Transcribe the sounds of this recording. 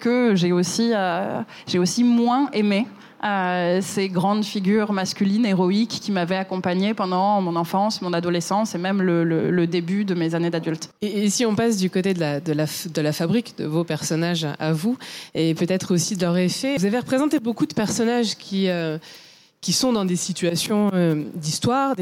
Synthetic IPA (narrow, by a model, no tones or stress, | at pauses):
kəʒeosiø | ʒeosimwɛ̃ʔeme | øseɡʁɑ̃d̪fiɡʲyʁmaskʲylineʁɔikʲːimavɛakɔ̃paɲepɑ̃d̪ɑ̃mɔ̃nɑ̃fɑ̃smɔ̃nad̪ɔlesɑ̃semɛmlələ̰ləd̪ebyd̪əmezaned̪ad̪ylt̪esiɔ̃pasd̪ykot̪ed̪əlad̪əlafd̪əlafabʁikd̪ə̰vopɛʁsɔnaʒavuepøt̪ɛt̪χosid̪əlœʁefɛvuzaveʁəpχezɑ̃t̪ebokud̪əpɛʁsɔnaʒkʲʰiø | kʲisɔ̃d̪ɑ̃d̪esit̪ɥasjɔ̃ød̪ist̪waʁd̪e